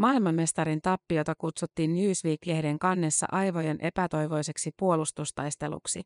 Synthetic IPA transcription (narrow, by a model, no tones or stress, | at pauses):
mɑːilmɑmme̞st̪ɑɾint̪ɑpːio̞t̪ɑkut̪sut̪ːiːnːjyːsʋiːkːehde̞ŋkɑnːe̞sːɑ̰ʔɑjʋo̞je̞nʔe̞pæt̪o̞jʋo̞jse̞ksipuo̞lust̪ust̪ɑjst̪e̞lṵksi